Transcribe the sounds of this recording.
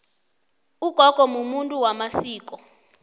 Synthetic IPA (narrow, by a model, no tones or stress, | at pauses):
uɡ̥ʱɔɡ̥ʱɔmumuntʼuwamasiːk̬ʼɔ